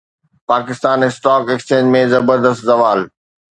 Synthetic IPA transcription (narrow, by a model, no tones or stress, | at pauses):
paːkɪst̪aːnɪsʈɔːkekst͡ɕẽːd͡ʑmẽzɐbəɾd̪əst̪zɐʋaːl